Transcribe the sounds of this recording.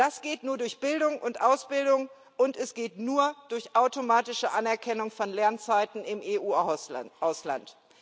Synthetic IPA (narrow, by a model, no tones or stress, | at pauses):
d̥asɡ̥eːtnuːɐdʊɐçb̥ɪldʊŋʔʊntʔaʊsb̥ɪldʊŋ | ʔʊntɛsɡ̥eːtnuːɐd̥ʊɐçʔaʊtomaːtɪʃəʔanɛɐkʰɛnʊŋfɔnlɛɐnt͡saɪtn̩ɪmʔeːʔuːʔaʊsla̰nt